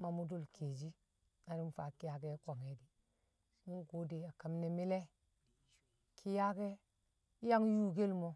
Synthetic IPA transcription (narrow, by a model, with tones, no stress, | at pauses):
ma˨mu˦do˦˨lkʰe˨d͡ʒi˦ | a˨ɾi˦m˦fa˨ki˦ja˨ke˦kʷa˨ŋe˨di˨˦ | mu˦ko˨˦de˨a˨ka˨mne˨mi˦le˦ | kʰi˦ja˦ke˦ | ja˦ŋ˦ju˦ɡe˦lmo˦